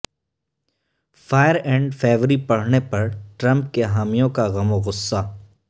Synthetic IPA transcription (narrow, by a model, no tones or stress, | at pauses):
faːjəɾɛ̃ːɳɖfʰeːʋɾipɐɽ̤nepɐɾʈɾɐ̃mp̚keɦaːmijõkaɣɐmoɣʊsːaː